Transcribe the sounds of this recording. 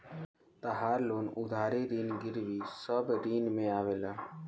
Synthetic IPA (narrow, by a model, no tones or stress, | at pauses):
t̪əɦaːɾloːnʊd̪ʱaːɾeɾiːnɡɪɾʋisəbɾiːnmẽaːʋeːlaː